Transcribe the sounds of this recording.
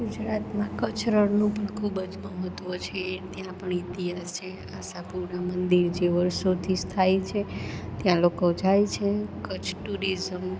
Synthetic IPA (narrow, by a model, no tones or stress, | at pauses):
ɡud͡ʒɾat̪mãkət͡ʃɾəɾnũpəɳkʰubəd͡ʒməɦət̪ʋət͡ʃʰet̪jãpəɳit̪iɦast͡ʃʰe | asapuɾɳamənd̪iɾd͡ʒeʋəɾʃot̪ʰid͡ʒt̪ʰajt͡ʃʰet̪jãlokod͡ʒajt͡ʃʰekət͡ʃʰʈuɾizəm